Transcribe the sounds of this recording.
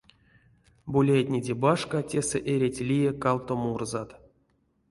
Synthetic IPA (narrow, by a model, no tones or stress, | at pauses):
bulʲajtʲnʲedʲebaʂkatʲesɛʔeɾʲetʲlʲijekalt̪omurzat̪